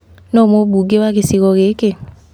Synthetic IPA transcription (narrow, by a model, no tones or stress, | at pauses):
nɔmobuɡewakesiɣɔɣeke